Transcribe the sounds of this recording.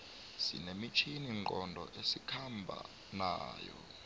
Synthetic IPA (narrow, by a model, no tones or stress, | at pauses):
sḭnemit͡ʃʰiniŋŋ͡ǃʱɔndʱɔ̰ʔesikʰambʱa̰ | na̰ːjɔ̰